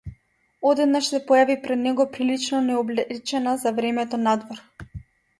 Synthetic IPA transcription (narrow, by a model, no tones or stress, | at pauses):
ɔd̪ɛd̪naʃsɛpɔjavipɾɛd̪nɛɡɔpɾilit͡ʃnɔnɛɔblɛt͡ʃɛnazavɾɛmɛt̪ɔnad̪vɔɾ